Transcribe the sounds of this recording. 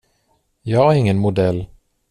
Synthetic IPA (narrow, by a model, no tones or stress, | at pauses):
jɑːæɾɪŋːənmʊd̪ɛlː